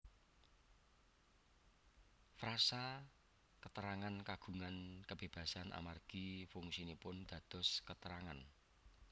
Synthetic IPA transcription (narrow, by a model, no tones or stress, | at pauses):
fɾasa | kət̪əɾaŋankaɡ̥ṳŋankəb̥e̤b̥ä̤sanʔa̰marɡ̥ifʊŋsinipʊnd̪̥ä̤d̪̥ɔ̤skət̪əɾaŋan